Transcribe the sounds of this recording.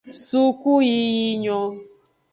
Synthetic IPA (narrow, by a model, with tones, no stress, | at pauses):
su˦ku˦ji˦ji˦ɲɔ˧